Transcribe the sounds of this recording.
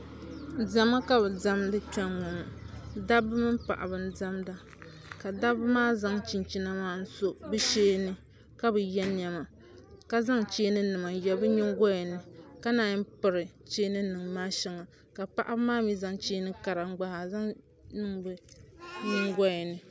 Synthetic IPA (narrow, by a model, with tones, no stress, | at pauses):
da˨ma˦ka˦bɨ˨da˦mdɨ˦t͡ʃɛ˦ŋɔ˨ma˨da˦bɨ˦mɨ˦m˦pa̰˨ʔa˨bɨ˨n˦da˦mda˦ | ka˨da˦bɨ˦maː˦za˦ŋt͡ʃi˨nt͡ʃi˦na˦maː˦n̩˦so˦bɨ˦ʃeː˦nɨ˦ | ka˦bɨ˨jɛ˦ɲɛ˨ma˨ | ka˦za˦ŋt͡ʃeː˦nɨ˦nɨ˨ma˨jɛ˨bɨ˦ɲi˦ŋ˦ɡɔ˦jɛ˨nɨ˨ka˦naː˨ɲɨ˦pɨ˨ɾɨ˨t͡ʃe˦nɨ˦nɨ˨ŋ˨maː˦ʃɛ˦ŋa˨ | ka˨pa˨ʔa˦bɨ˦maː˦mi˦za˨ŋt͡ʃeː˦nɨ˦ka˨ɾa˨˦ɡ͡ba˨ha˨za˦ŋ | nɨ˦ŋbɨ˦ɲɪ˦ŋɡɔ˦jɛ˨nɨ˨